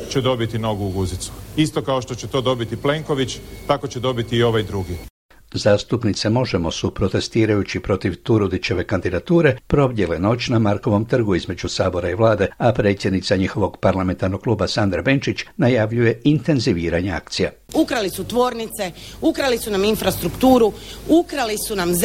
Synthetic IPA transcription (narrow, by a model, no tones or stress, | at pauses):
t͡ɕed̪o̞bit̪ino̞ɡuːɡuzit̪su̥ist̪okaoʃt̪o̞t͡ɕet̪o̞ːd̪o̞bit̪iple̞ŋkoʋit͡ɕt̪akot͡ɕed̪o̞bit̪iːo̞ʋajd̪ɾuɡi | zaːst̪upnit̪se̞mo̞ʒe̞mo̞supɾo̞t̪e̞st̪iːɾajut͡ɕipɾo̞t̪iʋt̪uɾud̪it͡ʃe̞ʋe̞kand̪id̪at̪uːɾe̞pɾo̞bje̞leno̞t͡ʃnamaɾko̞ʋo̞mt̪r̩ɡuizme̞d͡ʒusaːbo̞ɾaiʋlaːd̪e̞apɾe̞t̪sʲjed̪nit̪saɲixo̞ʋo̞ɡpaɾlame̞nt̪aɾnoɡ̚klˠuːbasand̪ɾabe̞nt͡ʃit͡ʃnajaʋʎuje̞int̪e̞nziʋiːɾaɲea̰kt̪sija | ukɾalisut̪ʋo̞ːɾnit̪seukɾalisunaminfɾast̪ɾukt̪uːɾuukɾalisunamz